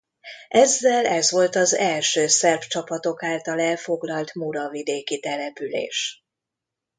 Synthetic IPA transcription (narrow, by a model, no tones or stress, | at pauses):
ʔɛzːɛlɛzʋo̞lt̪ɒzɛlʃøːsɛrbt͡ʃɒpɒt̪o̞kaːlt̪ɒlɛlfo̞ɡlɒlt̪muɾɒvid̪eːkit̪ɛlɛpylḛːʃ